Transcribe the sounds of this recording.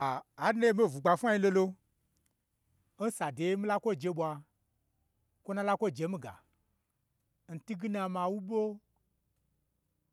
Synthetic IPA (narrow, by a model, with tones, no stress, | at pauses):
aː˨˦ne˦e˦me˦˨vu˨ɡ͡ba˧fʷa˦i˦lo˦˧lo˧˦ | n̩˦sa˨de˨˦mĩ˦la˦kʷo˦˨d͡ʒe˧˦ɓʷa˧ | kʷo˦nã˧la˦kʷo˦˨d͡ʒe˧˦mĩ˦ɡa̰˨ | n̩˨ti˦ɡi˦na˧mã˧wu˦ɓo˦